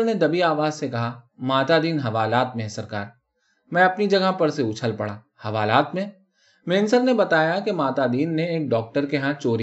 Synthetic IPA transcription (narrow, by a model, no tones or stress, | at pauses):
ned̪ɐbiaːʋaːzsekɐɦamaːt̪ad̪iːnɦɐʋaːlaːt̪mẽsɐɾkaːɾ | mɛ̃ɐpnid͡ʒɐɡapɐɾseʊt͡ʃʰəlpɐɽaː | hɐʋaːlaːt̪mẽ | meːnsəɾnebɐt̪aːjakemaːt̪ad̪iːnːẽeːk̚ɖɔːk̚ʈəɾkeɦãt͡ʃoːɾ